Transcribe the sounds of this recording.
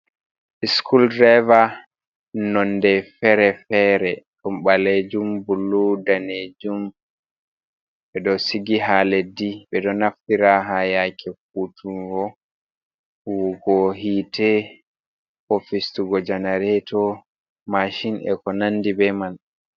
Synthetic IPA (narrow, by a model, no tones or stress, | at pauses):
ʔiskʰuldɾava | nɔndɛfɛɾɛfɛɾɛɗumɓaled͡ʒumbulːudaned͡ʒum | ɓɛdɔsiɡiɦalediɓɛdɔnaftiɾaɦajakʰɛk̚utʰuɡɔ | wuɡɔɦiːtɛ | ofistuɡɔd͡ʒanaɾɛtʰɔ | maʃinɛ̰kɔnanːdibɛman